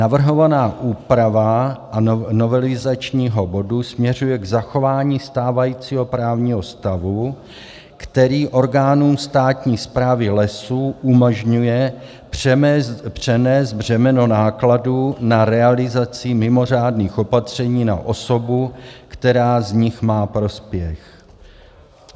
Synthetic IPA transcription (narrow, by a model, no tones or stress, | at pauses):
navr̩ɦo̞vanaːʔuːpɾavaʔano̞vɛlɪzat͡ʃɲiːɦo̞bo̞dusmɲɛr̝ujɛɡzaxo̞vaːɲiːst̪aːvajiːt͡siːɦo̞pɾaːvɲiːɦo̞st̪avu | kt̪ɛɾiːʔo̞ɾɡaːnuːmst̪aːt̪ɲiːspɾaːvɪlɛsuːʔumoʒɲujɛ | pr̥ɛmɛpr̝̥ɛnɛːzd̪̚br̝ɛmɛno̞naːkladuːnaɾɛalɪzat͡sɪmɪmo̞r̝aːdniːxo̞pat̪r̝̥ɛɲiːna̰ʔo̞so̞bukt̪ɛɾaːzɲɪxmaːpɾo̞spjɛx